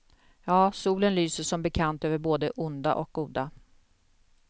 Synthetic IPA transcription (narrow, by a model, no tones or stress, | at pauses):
jɑːsuːlənlyːsəʂɔmbɛkʰant̪øːvəɾboːd̪əʔʊnd̪a̰ʔɔk̚ɡuːd̪a